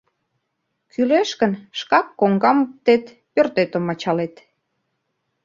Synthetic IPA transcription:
kyleʃkə̆nʃkɑkːoŋɡɑmuk̚t̪et̪ | pørt̪et̪əmɑt͡ɕɑlet̪

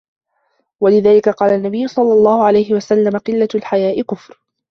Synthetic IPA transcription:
walɪðaːlɪkaqɑːlanːabɪjːʊsˤɑlːɑlˤːɑːhʊʕalajhɪwasalːamaqɨlːalħajaːʔɪkʊfɾ

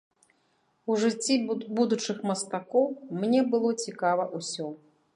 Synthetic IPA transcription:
uʐɨt͡sʲːibud̪ut͡ʂɨxmɐst̪akɔwmnʲɛbɨlˠɔt͡sʲikavɐʔusʲɔ

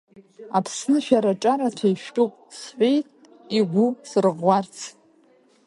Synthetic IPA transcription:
apʰsnɨʃᶣaɾaʈ͡ʂʼaɾatʰajʃᶣkʼʊqʼsħʷᶣejtʼ | iɡʷusɨrʁʷart͡sʰ

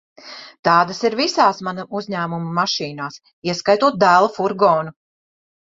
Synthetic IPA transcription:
t̪ɑːd̪asiɾvisaːsmanaʔuzɲæːmumumaʃiːnaːs | iɛskajt̪uɔt̪̚d̪æːlˠɐfuɾɡɔːnu

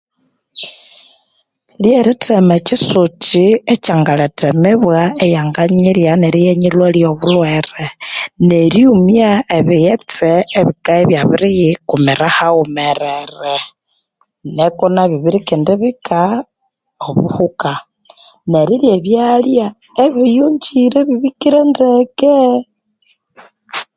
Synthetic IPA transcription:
ljeɾitʰemet͡ʃisut͡ʃiet͡ʃaŋɡaletemeβwaejaŋɡaɲiɾjaneɾijeɲilweljoβulweɾeneɾiumiaeβijet͡seːβikaeβjaβiɾijikumiɾahaumeɾeɾe | nekunaβiβiɾikindiβika | oβṵhuka | neɾiljeβjalja | eβijuɲd͡ʒiɾeβiβikiɾendeke

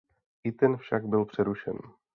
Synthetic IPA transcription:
ʔɪt̪ɛnfʃaɡbɪlpr̝̥ɛɾuʃɛ̰n

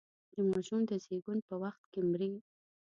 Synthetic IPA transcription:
d̪əmɑʃumd̪əzeɡunpəwaxt̪kemɾi

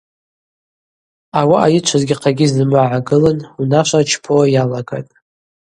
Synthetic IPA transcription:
awaʔajɪt͡ʃʷʰazɡʲiqʰaɡʲiznɨmɨʕaɡɨlanunaʃʷʼat͡ʃʰpʰojalaɡa̰tʼ

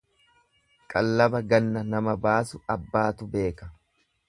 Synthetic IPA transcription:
kʼɐlːɐbɐɡɐnːɐnɐmɐbaːsʊɐbːaːt̪ʊbe̞ːkɐ

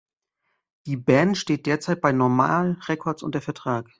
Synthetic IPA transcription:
d̥iːbɛntʃteːt̚d̥eːɐt͡saɪt̚b̥aɪnɔɐma̰ːlʁɛkʰɔɐtsʔʊntdeːɐfɛɐtʁ̥aːk

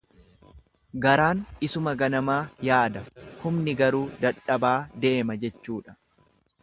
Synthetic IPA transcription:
ɡɐɾaːnɪsʊmɐɡɐnɐmaːjaːd̪ɐhʊmnɪɡɐɾuːd̪ɐᶑɐbaːd̪e̞ːmɐd͡ʒɛt͡ʃːuːᶑɐ̥

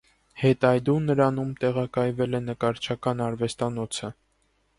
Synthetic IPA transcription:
hɛt̪ɑjd̪unːəɾɑnumt̪ɛʁɑkɑjvɛlɛnəkɑɾt͡ʃʰɑkɑnɑɾvɛst̪ɑnɔt͡sʰə

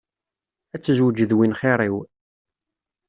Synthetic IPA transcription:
æt͡sːəzwəd͡ʒəðwinχɪɾˤiw

